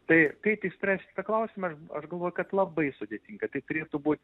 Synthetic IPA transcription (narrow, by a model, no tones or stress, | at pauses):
t̪ɐɪkɐɪt̪ʲɪsʲpʲɾʲæːsʲkʲt̪ɐklˠɐʊsʲɪmɐɐʃɐʃɡɐlˠʋoːjʊkɐt̪lˠɐbɐɪsʊd̪ʲeːt̪ʲiːŋɡɐt̪ɐɪt̪ʊɾʲeːt̪ʊbuːt̪ʲ